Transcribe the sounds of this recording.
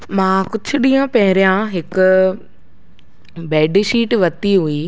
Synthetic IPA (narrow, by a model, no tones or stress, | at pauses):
mãːkʊd͡ʑʱʰʊ̆ɗĩːãpɐɦɪɾijãɦɪkʊ | bɛːɖʃiːʈʋɐt̪iɦui